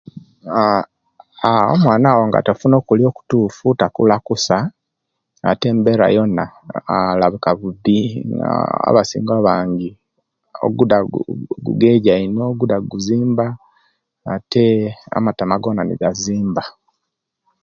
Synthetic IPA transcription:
ao̰mwaːnaːwoŋɡa̰tofuno̞ːkulio̞ːku̥tuːfutakṵlakusa | a̰te̞ːmbeɾa̰jo̞naalaβukaβubia̰a̰βasḭːŋɡaβaːɲɡi | o̰ɡudaɡṵɡeɟainoɡudaɡuziːmbaː | tʰea̰matamaɡonanḭɡaziːmba

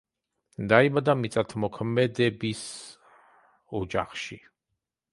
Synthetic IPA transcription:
d̪aibad̪amit̪sʼat̪ʰmɔkʰmɛd̪ɛbis | ɔd͡ʒa̰χʃi

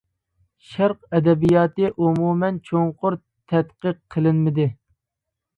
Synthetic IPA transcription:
ʃæɾqɛd̪ɛbijɑːt̪ɨʔumumɛnt͡ʃʰoŋqʊɾ | t̪ʰɛt̪qəqʰːəlˠɪnmɪd̪ɪ

